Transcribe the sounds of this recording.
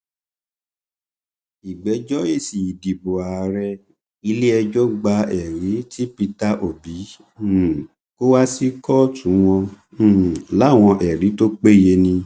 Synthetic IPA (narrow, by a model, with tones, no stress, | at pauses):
i˨ɡ͡bɛ˨˦d͡ʒɔ˦e˦˨si˨i˨di˨bo˨a˨ɾɛ˧ | i˧le˦ɛ˧d͡ʒɔ˦ɡ͡ba˧ɛ˨ɾi˨˦tʰi˦pi˧ta˦ʔo˦˨bi˨˦˨ | ko˦wa˦si˦kɔ˦tũ˨˦w̃ɔ̃˧˦˨ | la˨˦˨w̃ɔ̃˧ʔɛ˨ɾi˨˦to˦k͡pe˦˨je˧nĩ˧